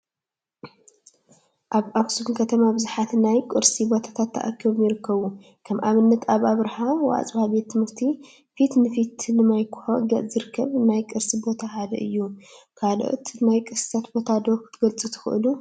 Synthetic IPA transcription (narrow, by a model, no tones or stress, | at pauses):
ʔaβʔaβsɨbɨnkʰɐt̪ʰɐmabɨzuħat̪najkʼɨɾsibo̞t̪ʰḁt̪ʰat̪ʰːɐ̰ʔa̰kʰimjɪɾɨkʰːɐβu | kʰɐmʔaβɨnːɐt̪aβʔaβɾħawa̰t͡sʼbabet̪ʰːɨmɨɾt̪ʰi | fit̪nɨfit̪ʰnɨmajkʰʊ̥ħoɡ̪ɐʔzɨɾɨkʰːɐβnajkʼɨɾsibo̞t̪ʰahad̪ɐ̰ʔɨjːukʰalʔo̰t̪ʰnajkʼɨsɨ̥sʰat̪bo̞t̪ʰad̪okt̪ʰɡɐlt͡sʼɨt̪ʰɨ̥xɨ̰ʔɨlu